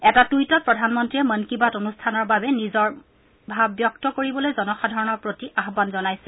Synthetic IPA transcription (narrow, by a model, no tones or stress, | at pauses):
ɛtatujtɔt̚pɹɔdʱanmɔntɹiɛmənkibatonustʰanɔɹbabɛnizɔɹ | bʱabjɔktɔkoɹibɔlojzɔnɔxadʱaɹɔnɔɹpɹotiʔaɦbanzɔnajsɛ